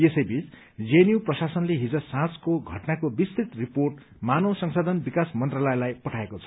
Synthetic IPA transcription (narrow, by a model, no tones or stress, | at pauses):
esʌjbit͡s | d͡zenjuprʌsasʌnleɦid͡zʌsãt͡skoɡʱʌʈnakobist̪it̪riporʈ | manosʌŋsad̪ʱʌnbikasmʌnt̪ralʌjlajpʌʈʰaekot͡sʰʌ̥